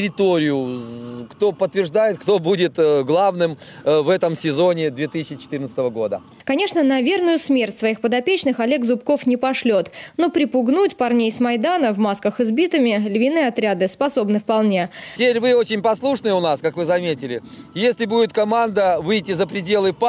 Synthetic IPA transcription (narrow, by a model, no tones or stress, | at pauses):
ɾʲɪt̪oɾʲɪjʊkt̪o̞pət̪ːvʲɪrʐd̪ajɪt̪̚kt̪obudʲɪt̪ɡlˠavnɨmvɛt̪əmsʲɪzo̞nʲɪd̪vʲet̪ɨsʲɪɕːɪt͡ɕɪ̥t̪ɨrnt̪sət̪əvəɡo̞d̪ə̰ | kɐnʲe̞ʂnənɐvʲe̞rnʊjʊsmʲertʲsvɐixpəd̪ɐpʲet͡ɕnɨxɐlʲe̞ɡzʊpko̞fnʲɪpɐʂlʲot̪no̞pɾʲɪpʊɡnutʲpɐrnʲejsmɐjd̪anəvmaskəxɨzbʲit̪ɨmʲɪlʲvʲɪnɨɐt̪ɾʲad̪ɨspɐso̞bnɨfpɐlˠnʲetʲeɾʲvɨot͡ɕɪnʲpɐslˠuʂnɨjəʊnaskakvɨzɐmʲetʲɪlʲɪjesʲlʲɪbudʲɪt̪̚kɐmand̪əvɨjtʲːɪzəpɾʲɪdʲe̞lˠɨp